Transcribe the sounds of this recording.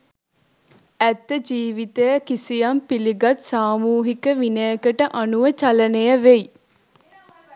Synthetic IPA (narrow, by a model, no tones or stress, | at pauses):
æt̪ːəd͡ʒiːʋit̪ejəkisijampiliɡat̪saːmuːɦikəʋinəjəkəʈəʔanuʋət͡ʃalənejəʋej